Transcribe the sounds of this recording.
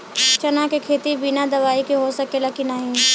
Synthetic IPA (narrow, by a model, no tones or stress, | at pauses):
t͡ʃɐnakekʰeːt̪ibinad̪ɐʋaːikiɦosɐkelɐkinaɦĩ